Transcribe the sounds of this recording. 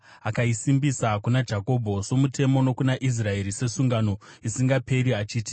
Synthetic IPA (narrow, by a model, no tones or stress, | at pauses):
akaisimbisakunad͡ʒako̞bʱo̞so̞mute̞mo̞no̞kunaʔis̬rae̞ɾise̞suŋɡano̞ | isiŋɡape̞ɾiat͡ʃiːti̥